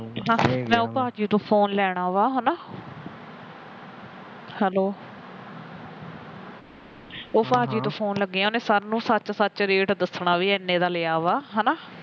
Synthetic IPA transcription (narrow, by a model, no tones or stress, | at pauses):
ɦãːmɛ̃ːʊpaːd͡ʒiːt̪õːpʰoːnlɛːɽ̃aːʋaːɦonaː | hɛːloː | ʊpaːd͡ʒiːt̪õːpʰoːnləɡːeːãːneːsaɾnũːsət͡ʃsət͡ʃɾeːʈd̪əsɳaːʋiːɛːnːẽːd̪aːleːaːʋaːɦɛnaː